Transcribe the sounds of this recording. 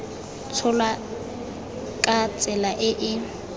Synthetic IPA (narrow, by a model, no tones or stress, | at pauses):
t͡sʰʊla | kʼat͡sʼɛlaʔɪʔɪ